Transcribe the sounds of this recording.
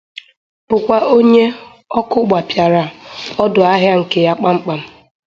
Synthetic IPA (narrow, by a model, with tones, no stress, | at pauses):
pʊ˨kʷa˦ʔo˦ɲe˦ | ɔ˦kʊ˦ɡ͡ba˨pja˨ɾa˨ɔ˦dʊ˨a˦ɦja˦ŋ̩˨ke˨ja˦k͡pa˦ŋ͡m̩˦k͡pa˨m̩˦